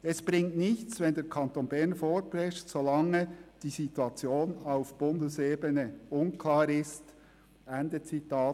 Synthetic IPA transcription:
ɛsb̥ɾɪŋtnɪçt͡svɛndɛːɾkʰɑntoːnbɛʁnfoːɾprɛʃtsolɑŋəd̥iːzituɑt͡sjoːnaʊfb̥ʊndəseːbənəʊnkʰlaːɾɪst | ʔɛndət͡sitaː

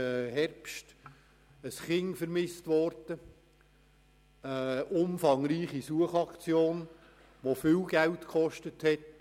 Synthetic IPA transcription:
əhɛrpʃt | əsχɪŋfəɾmɪstʋɔɾd̥ə | əʔʊmfɑŋɾiːχisuəχɑkt͡sjoːn | ʋofɪwɡ̥æltkʰχɔʃtəthɛt

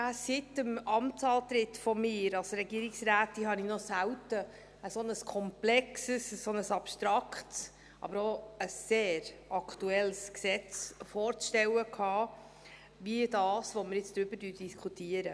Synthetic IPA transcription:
æsɪtəmɑmtsɑːlt̪ɾɪtfɔmɪːɾɑlsɾɛɡiəɾɪksɾæːtːiɦɑninɔsæwtə | əsɔnəskʰɔmplɛksəsəːɔnəsɑpʃtɾɑkχts | ʔɑ̰bəɾoəsːeːɾɑkʰtuɛlsksɛt͡sfɔːɾt͡sʃtɛwəkʰhɑː | ʋiədɑːsʋoməɾjɪt͡sd̥ɾʏb̥ədyːd̥iskʰutiəɾə

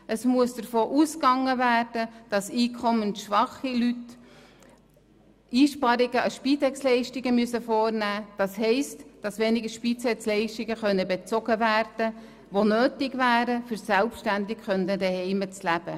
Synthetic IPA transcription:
ʔəsmuəsd̥əɾfoːʔuskɑŋːəvæːrd̥əd̥ɑsiːkʰɔmənʃʋɑχilyt | ʔiːʃpɑɾɪɡəʔɑʃpiːtɛkslɛɪʃtɪɡəmyəsəfoːrnæːd̥ɑsɦɛɪstd̥ɑsʋɛnɪɡəʃpit͡sɛslɛɪʃtɪɡəχœnːəbet͡sɔɡ̥əvæːrd̥ə | ʋonøːtɪɡvæːɾəfʏɾsælpʃtændɪkχœndədɛhɛɪmət͡slæb̥ə

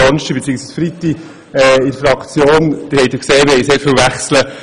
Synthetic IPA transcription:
ɑnʃibet͡siːəksiːsfɾit̪ːi | ɛɪɾfɾɑkt͡sjoːnd̥̪ɪhɛɪt̪dɪkseːmɪɾhɛɪseːɾfɪlʋæχslə

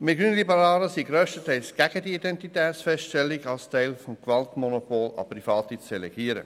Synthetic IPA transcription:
mɪɡyːnlibəɾɑːɾəsiɡɾøːʃtətɛɪlsɡ̥æɡ̥ədiidɛntitɛːt̪sfɛsttɛlːɪɡɑlstɛɪlfɔmkvɑltmɔnopoːlɑ̰prifɑːtit͡sd̥ɛlɛɡ̥iːəɾə̰

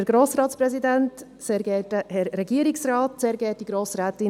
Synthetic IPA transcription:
ɛɾɡɾoːsɾɑːtspɾɛzidɛnt | seːɾɡɛːtəhɛɾːɛɡiəɾɪksrɑːtseːɾɡɛːt̚d̥iɡɾoːsɾɛːt̪ɪ

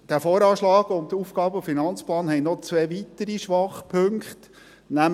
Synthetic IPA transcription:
d̥æfoːɾɑːʃlɑːɡ̥ʊnd̥əuːfɡ̥ɑːbəfinɑnt͡splɑːnhɛɪnɔt͡sʋɛːʋit̪əɾiʃʋɑχpʰɵŋkχt | næm

